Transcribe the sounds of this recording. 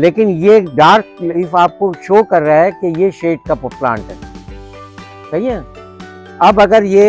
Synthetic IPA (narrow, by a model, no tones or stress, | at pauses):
leːkɪnjeɖaːɾt̚ɪfaːp̚koʃoːkɐɾːaɦɛkejeʃeːʈ̚kapəplã̰ːɳʈɦɛː | sɐɦiɛ̃ | ɐbɐɡəɾje